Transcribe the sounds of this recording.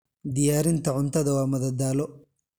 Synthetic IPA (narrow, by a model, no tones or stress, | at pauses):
d̪ɪjaːɾint̪ɐʕʊnt̪ɐd̪ɐwaːmɐðɐd̪aːlɔ